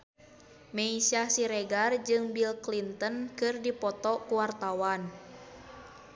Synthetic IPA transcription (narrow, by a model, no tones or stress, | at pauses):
mɛisiasiɾɛɡard͡ʒɨŋbilklint̪ənkɨrdipɔt̪ɔkuwart̪awan